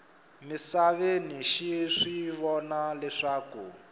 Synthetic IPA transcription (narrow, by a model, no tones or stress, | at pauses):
misaβeniʃiʂiβɔnalɛʂaːku